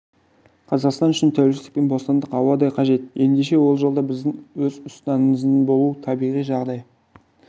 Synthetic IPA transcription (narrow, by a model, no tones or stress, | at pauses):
qʰɑzɑqst̪ɑnʏʃɪnt̪ʰæwɪlʃɪɪk̚penbo̞st̪ɑnd̪əqɑwɑd̪ɑjqʰɑʒe̞t̪je̞nd̪e̞ʃe̞wo̞lˠʒo̞lˠd̪ɑbɪzd̪ɪŋwɵzʊst̪ɑnəməzbo̞lˠut̪ʰɑbijʁijʒɑʁd̪ɑj